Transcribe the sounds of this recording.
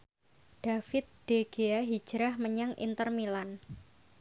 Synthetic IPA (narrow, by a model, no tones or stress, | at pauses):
ɖ̥afɪt̪̚d̥eɡ̥eaɦi̥d͡ʒɾahməɲaŋʔḭnt̪ərmilan